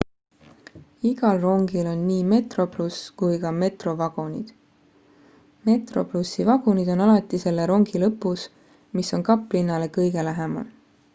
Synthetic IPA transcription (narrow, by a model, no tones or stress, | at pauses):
iɡ̥ɑlro̞ŋɡ̥ilo̞nniːme̞t̪ro̞pluskujɡɑme̞t̪ro̞vɑɡ̥onid̪̥ | me̞t̪ro̞̰plusːivɑɡ̥unid̪̥o̞nɑlɑt̪ːˑise̞lːe̞ɾo̞ŋɡ̥ilɤpːˑus | miso̞nkɑpːˑlinːɑle̞kɤjɡe̞læɦemɑ̰l